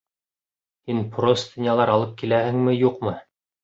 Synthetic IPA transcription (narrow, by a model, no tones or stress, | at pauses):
hinprost̪ʲinʲjɑlˠɑɾɑlˠɤp̚kilæhɘŋmɘjuqmɤ